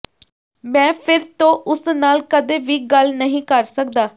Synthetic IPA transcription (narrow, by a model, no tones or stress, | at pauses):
mɛ̃ːpʰɪɾt̪õːʔʊsnaːlkəd̪eːʋiːɡəlnəɦĩːkəɾsək̚d̪aː